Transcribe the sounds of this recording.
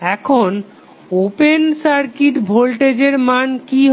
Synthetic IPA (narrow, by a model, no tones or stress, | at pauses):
ɛkʰon | opensaɾkiʈbʱolʈed͡ʑeɾmankiɦ